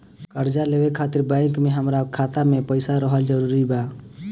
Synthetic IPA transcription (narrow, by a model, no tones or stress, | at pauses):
kəɾd͡ʒaleːwekʰaːt̪ɪɾbãɪkmẽɦəmɾakʰaːt̪amẽpəɪsaɾəɦəld͡ʒəɾuɾibaː